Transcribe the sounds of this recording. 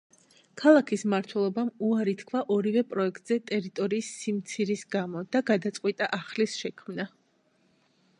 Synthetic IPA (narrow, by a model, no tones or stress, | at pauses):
kʰalˠakʰismaɾt̪ʰwɛlˠɔbamuaɾit̪ʰkʰvaʔɔɾivɛpʼɾɔɛkʰt̪ʼz̥ɛt̪ʼɛɾit̪ʼɔɾiːsːimt̪sʰiɾisɡamɔd̪̥aɡad̪at̪sʼqʼwit̪ʼaʔaχlisʃɛkʰmna